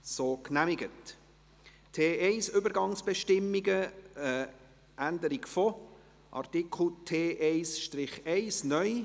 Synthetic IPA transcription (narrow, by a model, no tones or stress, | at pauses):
soːknæmɪɡət | tʰeːɛɪsʏbəɾɡɑŋsb̥ɛʃtɪmːiɡəə | ʔænd̪əɾiɡfɔ | ʔɑ̰rtɪkʰl̩ˠtʰeːʔɛɪsʃtrɪχɛɪsnœʏ